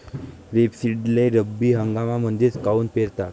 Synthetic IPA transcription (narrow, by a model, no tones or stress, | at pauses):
ʋepsiɖleɾəbːiːɦəŋɡamamənd̪iːt͡skauːnpeɾt̪at̪